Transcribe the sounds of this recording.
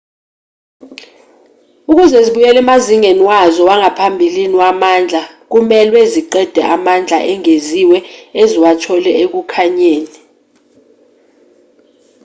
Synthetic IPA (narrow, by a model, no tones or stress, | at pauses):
uk̬uzɛziɓujɛlɛmaziŋeniwazɔwaŋapʰambʱiliniwamaːnd͡ɮʱa | k̬umɛlweziǃɛd̥ʱɛ̰ʔamand͡ɮʱa̰ʔɛŋeziwɛeziwatʰɔlɛek̬ukʰaɲeːni